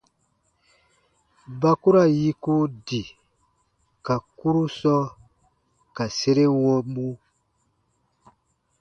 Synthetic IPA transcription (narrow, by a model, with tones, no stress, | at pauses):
ba˦ku˦ɾa˦˨ji˦ku˦di˨ | ka˨ku˦ɾu˦sɔ˦ | ka˨se˦ɾe˦wɔ̃˦mũ˦